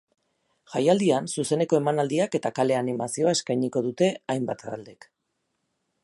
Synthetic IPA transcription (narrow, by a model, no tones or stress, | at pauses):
xajald̪iansuse̞ne̞ko̞e̞manald̪iake̞t̪akale̞animasio̞ae̞skajɲiko̞ðut̪e̞ajmbat̪aald̪ek